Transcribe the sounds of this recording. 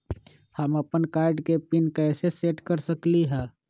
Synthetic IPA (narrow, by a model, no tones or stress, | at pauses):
həməpənkaːɾɖkepɪnkɛːseseːʈkəɾsəkliɦɛ̃ː